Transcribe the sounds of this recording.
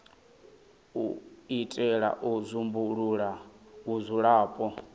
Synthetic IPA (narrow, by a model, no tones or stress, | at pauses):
uitʼɛɺa̰ʔuzʷumbuɺuɺauzʷuɺaːpʼɔ